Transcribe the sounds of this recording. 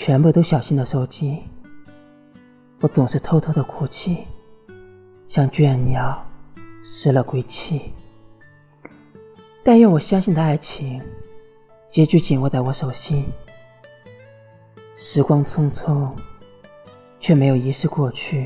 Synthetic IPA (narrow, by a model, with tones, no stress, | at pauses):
t͡ɕʰɥɛ˧˥npu˥˩t̪o˥ʊɕjɑ˨˩ʊɕi˥nd̪ə˨˩ʂo˥ʊt͡ɕi˥ | wɔ˧˥t͡sʊ˨˩ŋʂ̩˥˩t̪ʰo˥ʊt̪ʰo˥d̪ə˨kʰu˥˩t͡ɕʰi˥˩ | ɕjɑ˥˧ŋt͡ɕɥɛ˥˩nnjɑ˨˩ʊʂɻ̩˥lə˨kwe˥ɪt͡ɕʰi˥˩ | t̪a˥˧nɻɛ˥˩wɔ˨˩ɕjɑ˥ŋɕi˥˩nd̪ə˩a˥˩ɪt͡ɕʰi˧˥ŋ | t͡ɕjɛ˧˥t͡ɕy˥t͡ɕi˨˩nwɔ˥˧t͡sa˥˩wɔ˧˥ʂo˨˩ʊɕi˥n | ʂɻ̩˧˥kwɑ˥ŋt͡sʰʊ˥ŋt͡sʰʊ˥ŋ | t͡ɕʰɥɛ˥˩me˧˥ɪjo˨˩i˧˥ʂɻ̩˥˧kwɔ˥˧t͡ɕʰy˥˩